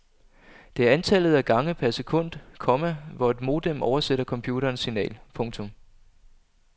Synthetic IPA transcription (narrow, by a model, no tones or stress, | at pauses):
d̥e̝æɐænt͡sʰæl̰ð̩ˠæɡ̥ɑ̈ŋəpʰæɐse̝kʰɔ̽n̰d̥kʰɒ̽mæʋɒe̝d̥mo̝ːd̥emɒʊɐseɾ̥ɐkʰɒ̽mpʰjuːɾɐːnsːinɛ̰ːlpʰɔ̽ŋt͡sʰɔ̽m